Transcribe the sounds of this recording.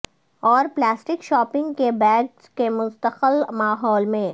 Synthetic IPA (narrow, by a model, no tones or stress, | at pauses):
ɔːɾplaːsʈɪkʃɔːpɪ̃ŋɡkebɛːɡskemʊ̃nst̪əqəlmaːɦɔːlmẽ